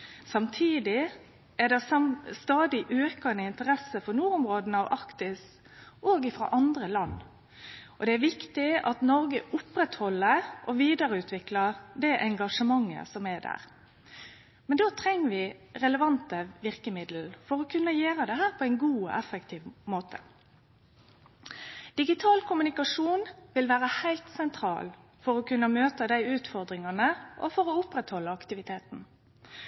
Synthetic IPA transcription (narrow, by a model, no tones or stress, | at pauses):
sɑmt̪ʰiːd̪ɪ | æd̪ɛsɑst̪ɑːd̪ɪʔøːkɑnəɪnt̪əɾɛsəfɔnuːɾʊmɾoːd̪nɑʋʔɑkt̪ɪs | ʔoːɡɪfɾɑ̰ːʔɑnd̪ɾəlɑnː | ʔɔd̪ɛæɾʋɪkt̪ɪɑt̪nɔɾɡəʔʊpɾɛt̪hɔlːəɾʔɔʋiːd̪əɾəʉːt̪ʰʋɪklɑd̪ɛʔɛŋɡɑʂəmɑŋːə̰sɔmɛd̪æ̰ːʁ | mɛnd̪oːt̪ʰɾɛŋːəʋɪʁɛləʋɑnt̪əʋɪʁkəmɪd̪l̩fɔʁɔkʰʉnːəjeːɾəd̪ɛɦæːʁpʰɔæɪnɡuːɔ̰ʔɛfːəkt̪ʰiːʋmoːt̪ʰə | d̪̥ɪɡɪt̪ʰɑːlkʰʊmʉnɪkɑʂuːnʋɪlʋæːʁəhæɪlt̪sɛnt̪ʰɾɑ̰ːl | fɔɾɔkʉnːəmøːt̪əd̪æɪʉːt̪fɔʁd̪ɾɪŋɑnəʔɔ̰fɔɾɔʊpɾɛt̪hɔlːəɑkt̪ɪʋɪt̪ʰeːt̪n̩